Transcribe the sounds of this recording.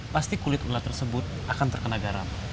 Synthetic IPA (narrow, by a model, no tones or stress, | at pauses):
past̪ikulɪt̪ulat̪ərsəbʊt̪̚ʔakant̪ərkənaɡaɾa̰n